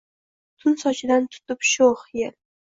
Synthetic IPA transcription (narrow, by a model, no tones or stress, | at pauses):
t̪ʰʊnsɒt͡ʃʰɪd̪ant̪ʰʊ̥t̪ɪpʃoχjel